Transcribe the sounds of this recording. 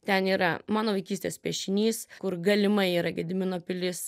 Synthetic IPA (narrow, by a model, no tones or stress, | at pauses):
t̪ʲɛniːɾɐmɑːnoːʋɐɪkʲiːsʲt̪ʲeːspʲiɛʃʲɪnʲiːskʊɾɡɐlʲɪmɐɪiːɾɐɡʲɛd̪ʲɪmʲɪnoːpʲɪlʲɪs